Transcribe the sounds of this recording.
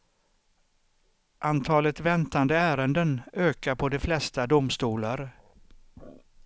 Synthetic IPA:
ʔant̪ʰɑːlət̪vɛnt̪and̪əæːɾənd̪ənøːkaɾpʰɔd̪ɛflɛst̪ad̪ʊmst̪uːlaɾ

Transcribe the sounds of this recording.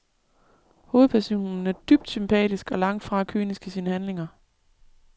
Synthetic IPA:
ho̝ːð̩ˠpʰæɐso̝̰ːnn̩æɐd̥yb̥̚d̥sympʰɛ̰ːd̥isɡ̥ɒ̽lɑ̈ŋ̰d̥fʁɑ̈kʰy̰ːnisɡ̥əsiːnəhænle̝ŋɐ

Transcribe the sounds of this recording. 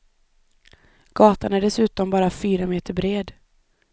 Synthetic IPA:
ɡ̥ɑːt̪anæɖɛsʉ̟ːt̪ɔmbɑːɾafyːɾameːt̪ʰəɾbɾeːd̪

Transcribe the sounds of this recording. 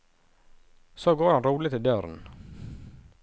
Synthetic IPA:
soːɡoːɾhɑnɾuːlɪt̪ʰɪld̪øɾn̩

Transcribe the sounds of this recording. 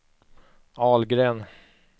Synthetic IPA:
ɑːlɡɾeːn

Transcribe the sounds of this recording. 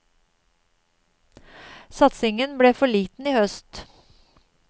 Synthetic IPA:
sɑt̪sɪŋənbɽeːfɔɭiːt̪n̩iːhœst̪

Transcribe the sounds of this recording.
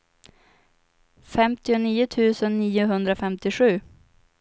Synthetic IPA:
fɛmt̪ɪʊniːʊt̪ʰʉ̟ːsənːiːʊɦɵnd̪ɾafɛmt̪ɪɧʉ̟ː

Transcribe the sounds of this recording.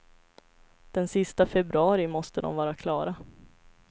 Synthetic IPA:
d̪̥ɛnsɪst̪afɛbɾɵɑːɾɪmɔst̪əd̪ɔ̰mvɑːɾakʰlɑːɾa

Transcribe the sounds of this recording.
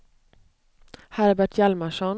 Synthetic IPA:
hæɾbæʈʰjælməʂɔn

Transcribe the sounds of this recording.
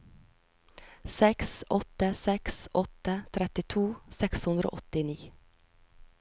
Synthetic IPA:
sɛksʔɔt̪əsɛksʔɔt̪ət̪ʰɾɛt̪ɪt̪ʰuːsɛkshʉnd̪ɾo̰ːʔɔt̪ɪniː

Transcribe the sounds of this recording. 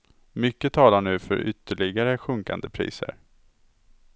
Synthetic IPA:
mʏkːət̪ʰɑːlaɳʉ̟ːfœ̰ɾʔʏt̪ːəɭɪɡaɾəɧɵŋka̰nd̪əpʰɾḭːsə̰ɾ

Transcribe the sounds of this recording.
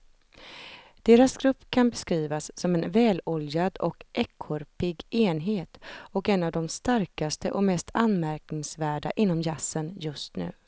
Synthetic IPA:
d̪̥eːɾasɡɾɵpːkʰanbɛskɾiːvasːɔmɛnvɛːlɔljad̪ɔkʔɛkʰːɔɾpɪɡeːnɦeːt̪ɔkɛnːavd̪ɔmst̪aɾkast̪əʔɔkmɛst̪ʰanːmæɾknɪŋsvæːɖa̰ʔɪnːɔmjasːənjɵst̪nʉ̟̰ː

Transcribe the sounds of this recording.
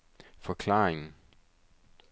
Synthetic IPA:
fɒ̽kʰlɑ̰̈ːeŋn̩

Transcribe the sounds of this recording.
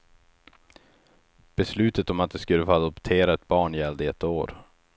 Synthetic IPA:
b̥ɛslʉ̟ːt̪ət̪ɔmat̪̚d̪ɛskɵlːəfoːad̪ɔpt̪ʰeːɾaɛt̪̚bɑːɳɪɛld̪əɛt̪ːoːɾ

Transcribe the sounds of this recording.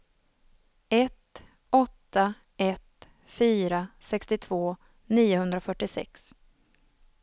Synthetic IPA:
ɛt̪ | ɔt̪ːa | ɛt̪ | fyːɾasɛkst̪ɪt̪ʰvoː | niːʊhɦɵnd̪ɾafœʈːɪsɛ̰ks

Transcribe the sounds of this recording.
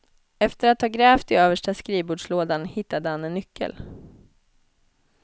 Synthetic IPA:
ɛft̪əɾat̪hɑːɡɾɛːft̪ɪøːvəʂʈaskɾiːbuːɖʂloːd̪anhɪt̪ːad̪əhanɛnːʏkʰːə̰l

